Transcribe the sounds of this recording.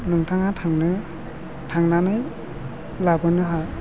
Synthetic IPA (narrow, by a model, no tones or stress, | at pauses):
nɯŋtʰaŋhatʰaŋnɯ | tʰaŋnanɯj | labɯnɯɦa